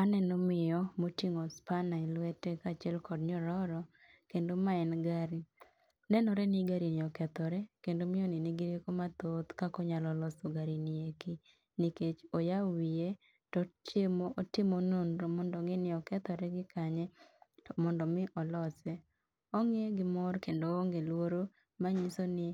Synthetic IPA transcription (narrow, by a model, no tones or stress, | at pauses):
anɛnomɪjɔmotiŋɔspanailwɛtɛkat͡ʃɛlkɔdɲɔɾɔɾɔ | kendomaɛnɡaɾi | nɛnɔɾɛniɡaɾinɪɔkɛt̪ɔɾɛkendomɪonɪnɪɡɪɾjekomat̪ot̪kakɔɲalɔlɔsoɡaɾinieki | niket͡ʃojawie | tɔt͡ʃemoʔotɪmononɾomɔndɔŋɡɪnɪɔkɛt̪ɔɾɛɡɪkaɲɛtɔmɔndɔmɪʔɔlɔsɛ | ɔŋeɡɪmɔɾkendoːŋɡelwoɾo | maɲisonɪ